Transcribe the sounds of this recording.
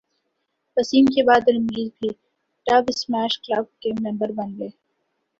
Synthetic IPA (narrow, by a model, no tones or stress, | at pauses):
pɐsiːmkebaːd̪ɐlmɾiːzbʱi | ʈaːbɪsmæːʃklab̚keːmnɐ̃mbəɾbɐnleː